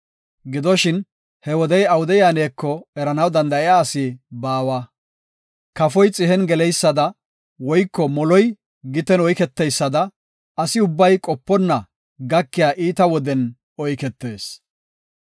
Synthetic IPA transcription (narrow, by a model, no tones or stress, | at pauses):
ɡɪd̪ɔʃɪn | hɛwɔd̪ɛjɐwʊd̪ɛjaːneːkːɔɛɾɐnɐwd̪ɐnd̪ɐɪjaːsɪbaːwɐ | kɐfɔjt͡sʼɪɦɛnɡɛlɛjsːɐd̪ɐ | wɔjkːɔmɔlɔj | ɡɪt̪ɛnɔjkɛt̪ːɛjsːɐd̪ɐ | ɐsɪʊbːɐjkʼɔpːɔnːɐ | ɡɐkːɪjaːʔiːt̪ɐwɔd̪ɛn | ɔjkɛt̪ːe̞ːs